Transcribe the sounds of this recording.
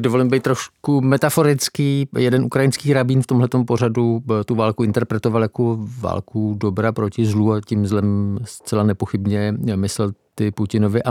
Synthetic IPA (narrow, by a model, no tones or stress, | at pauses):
dovo̞limbejt̪ːɾoʃkumɛt̪afo̞ɾɪt͡skiːjɛdɛnʔukɾajɪnskiːɾabiːnft̪o̞mɦlɛt̪o̞mpo̞r̝adut̪uvaːlkuʔɪnt̪ɛɾpɾɛt̪ovaljakova̰ːlkudobɾapɾocɪzluːacimzlɛmst͡sɛlanɛpoxɪbɲɛmɪsɛlt̪ɪpucɪnovɪʔa